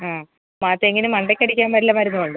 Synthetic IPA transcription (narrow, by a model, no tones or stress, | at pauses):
aː | maːt̪ːɐeŋːɡinemɐɳɖekʲːɐɽikʲːaːmʋɐɾilːɐmaɾunːuʋoɳɖɨ